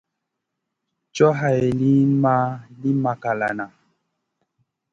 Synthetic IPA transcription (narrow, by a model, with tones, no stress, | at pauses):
t͡ʃɔ˦ɦa˨jli˦ma˦li˦ma˨ka˨la˨na˨